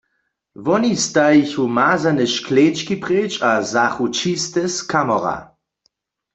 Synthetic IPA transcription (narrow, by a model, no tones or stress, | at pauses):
ʋɔnist̪ajiçumaːzanɛʃkleːt͡ʃkipʁeːt͡ʃazaxut͡ʃist̪ɛskʰamɔʁa̰